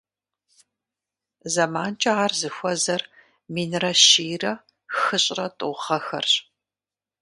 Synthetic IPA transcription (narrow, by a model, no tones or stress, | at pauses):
zɐmaːnt͡ʃʼɐaːrzɨxʷɔzɐr | miːnrɐʃiːrɐ | xɨɕʼrɐtʼʊʁɐxɐ̰rɕ